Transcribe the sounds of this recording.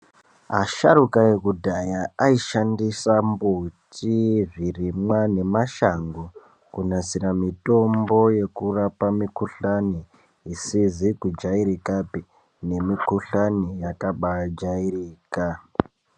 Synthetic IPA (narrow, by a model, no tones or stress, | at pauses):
a̰ʃaɾukaje̞kudʱajaaiʃandisambutivirimwane̞maʃaŋɡo | kunasiɾamito̞mbo̞je̞kurapamikuɬani | isizikud͡ʒaiɾikapi | ne̞mikuɬanijakaɓad͡ʒairiːka